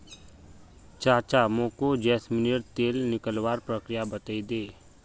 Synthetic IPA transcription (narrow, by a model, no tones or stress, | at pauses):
t͡ʃaːt͡ʃamõːkod͡ʒɛːsmɪnijəɾt̪eːlnɪkəlwaːɾpɾəkɾɪjabət̪aid̪eː